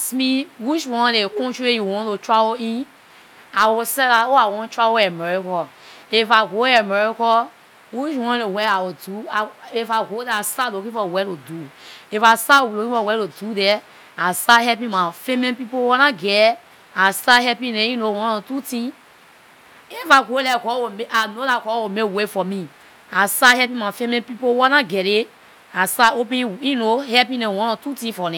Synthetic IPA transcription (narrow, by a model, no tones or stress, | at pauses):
asmiwit͡ʃwɔ̃nlekɔ̃nt͡ʃuejuwɔ̃ntotɹavoĩn | awusɛlaoawɔ̃ntɹavoɛmɛɹikɔifaɡoɛmɛɹikɔ | wit͡ʃwɔ̃nlewɛawiduaifaɡodɛastalokĩfɔwɛtoduifastalokĩfɔwɛɾodudɛ | asahɛpĩmãfemẽnpipowanaɡɛ | asahɛpĩnẽĩnowɔ̃nɔ̃tutĩ | efaɡolɛkɔwomeʔanolakɔwomewefɔmĩ | asahɛpĩmãfemẽnpipowanaɡɛɾe | asaopĩinohɛpĩnewɔ̃nɔ̃tutĩfɔnɛ̃